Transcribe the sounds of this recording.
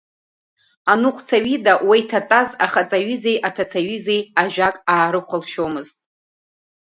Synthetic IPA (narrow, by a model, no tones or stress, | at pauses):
anuχʷʰt͡sʰaɥidawajtʰatʼaza̰χat͡sʼaɥize̞jʔatʰat͡sʰaɥizejaʒᶣakʼaːɾɨχʷalʃᶣomɨztʼ